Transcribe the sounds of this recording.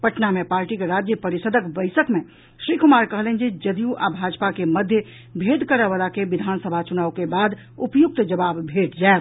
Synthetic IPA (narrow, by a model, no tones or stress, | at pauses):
pəʈnamepaːɾʈikeɾad͡ʒjəpəɾisəd̪ʱəkbəɪsəkme | ʃɾikumaɾkəɦlɛnd͡ʒed͡ʒəd̪ijuʔabʱad͡ʒpakeməd̪ʱjə | bʱed̪ʱkəɾɛbalakeʋid̪ʱansəbʱat͡ʃunaukebad̪ | upjuk̚t̪d͡ʒəbabbʱeʈd͡ʒael